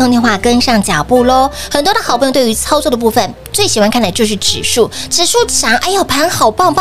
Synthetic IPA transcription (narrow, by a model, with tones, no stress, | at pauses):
o˥˧ŋt̪jɛ˥˧xwa˥˩kə˥nʂɑ˥˩ŋt͡ɕja˨˩pu˥˩lɔ˩xə˨˩nt̪wd̪ə˨˩xpu˥˩˧t̪wy˧˥t͡sʰɑ˥ʊt͡swɔ˥˩d̪ə˩pu˥˧fə˨˩n | t͡swe˥˩ɪɕi˨˩xwa˥nkʰa˥˩nla˧˩ɪt͡ɕo˥˧ʊʂɻ̩˥˩ʈ͡ʂɻ̩˨˩ʂu˥˩ʈ͡ʂɻ̩˨˩ʂu˥˩t͡ɕʰɑ˧˥ŋʔa˧˥ɪjo˨˩ʊpʰa˧˥nxɑ˨˩ʊpɑ˥˧ŋp